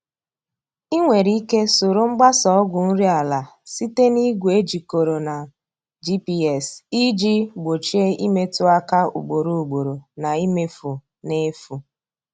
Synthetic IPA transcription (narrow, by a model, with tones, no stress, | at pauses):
i˦ŋʷe˨ɾi˦ke˦so˨ɾo˦ŋ͡m̩˦ɡ͡ba˦sɔ˦ɔ˦ɡʷʊ˨n̩˦ɾi˦a˨la˨ | si˦te˦ni˦ɡʷu˨e˦d͡ʒi˨ko˨ɾo˨na˨ | d͡ʒi˦pi˦ɛ˨si˦d͡ʒi˦ɡ͡bo˨t͡ʃi˦e˦i˦me˦tʊ˦a˦ka˦ṵ˨ɡ͡bo˨ɾo˨u˨ɡ͡bo˨ɾo˨na˨i˦me˦fu˨ | ne˦fu˨